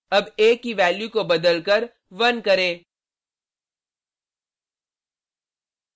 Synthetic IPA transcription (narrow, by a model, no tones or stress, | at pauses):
ɐbeːkːiʋɛːljukobɐd̪əlkəɾ | ʋɐnkɐɾẽː